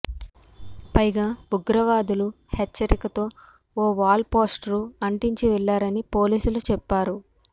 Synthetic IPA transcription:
pɐjɡaːbuɡɾɐʋaːd̪ulu | het͡ʃːɐɾikɐt̪o̞ː | oːʋaːlpoːsʈɾuɐɳʈiɲt͡ʃiʋɛɭːaːɾɐnipo̞ːliːsulut͡ʃɛpːaːɾu

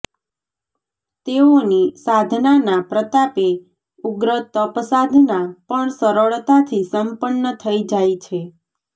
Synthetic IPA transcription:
t̪eonisad̪ʱnanapɾət̪ape | uɡɾət̪əpəsad̪ʱnapəɳsəɾəɭt̪at̪ʰisəmpənːət̪ʰəid͡ʒajt͡ʃʰe

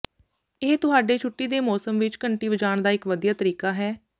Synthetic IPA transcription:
ɪɦt̪ʊɦaːɖeːt͡ʃʰʊʈːiːd̪eːmɔːsəmʋɪt͡ʃkəɳʈiːʋəd͡ʒaːɳd̪aːɪkʋəd̪ijaːt̪əɾiːkaːɦɛː

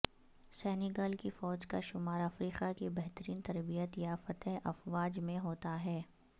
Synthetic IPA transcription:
sɛːnɪɡəːlkifɔːd͡ʒkaʃʊmaːɾɐfɾiːqakibɛɦt̪əɾiːnt̪ɐɾbijət̪jafɐt̪ɛɦɐfʋaːd͡ʒmẽɦoːt̪aɦɛː

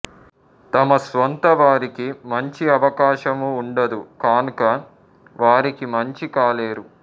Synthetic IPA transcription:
t̪ɐmɐsʋɐnt̪ɐʋaːɾikimɐɲt͡ʃiɐʋɐkaːʃɐmuːɳɖɐd̪ukaːnukɐ | ʋaːɾikimɐɲt͡ʃikaːleːɾu

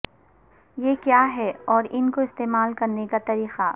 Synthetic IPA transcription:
jeːkjaːɦɛɔːɾɪnkoɪst̪eːmaːlkɐɾnekat̪ɐɾiːqa

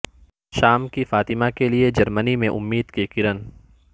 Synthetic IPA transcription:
ʃaːmkifaːt̪ɪmakelied͡ʒɐɾmənimẽʔʊmːiːd̪kikɪɾən

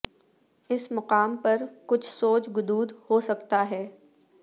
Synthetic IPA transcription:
ɪsmɐqaːmpɐɾkʊt͡ʃʰsoːt͡ʃɡʊd̪uːd̪hoːsɐkt̪aɦɛː

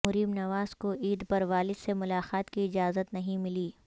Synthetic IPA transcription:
ʊɾiːmnɐʋaːzkoʔiːd̪pɐɾʋaːlɪd̪semʊlaːxaːt̪kiɪd͡ʒaːzət̪nɐɦĩmɪliː

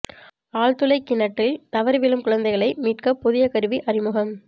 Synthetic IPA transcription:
aːɭt̪ʊlɐɪkːɪnɐʈːɪlt̪ɐʋɐɾʋɪlɯmkʊɻɐnd̪ɐɪɣɐɭɐɪmiːʈkɐpːʊðɪjɐkɐɾɯʋiʔɐɾɪmʊɣɐm

